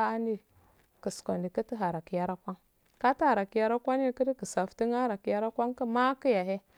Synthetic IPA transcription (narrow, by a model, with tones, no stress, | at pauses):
a˦ndi˦ | kə˨sko˨ndi˨kə˦ti˦ɦa˨ɾa˨ki˨ja˦ɾa˦kʷa˦ŋ | ka˦ti˦ha˨ɾa˨ki˨ja˦ɾa˦kʷa˦ni˦kə˦di˦kə˨sa˨fti˦ŋa˦ɾa˨ki˨ja˦ɾa˦kʷa˦ŋkə˦ma˦ki˦ja˨ɦe˦